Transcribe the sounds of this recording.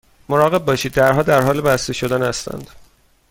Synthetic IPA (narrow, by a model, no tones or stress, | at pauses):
moɾɒːɣe̞b̚ːɒːʃiːd̪̚ːæɾɦɒːd̪æɾɦɒːlebæst̪e̞ʃo̞d̪ænhæst̪æ̰nd̪̥